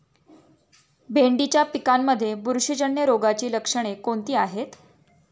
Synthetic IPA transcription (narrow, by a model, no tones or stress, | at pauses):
bʱeɳɖit͡ɕjapikamːəd̪ʱːjebuɾʂid͡ʑəɳjəɾoɡat͡ɕiːləkʂəɽ̃ekoɳt̪iːaɦet̪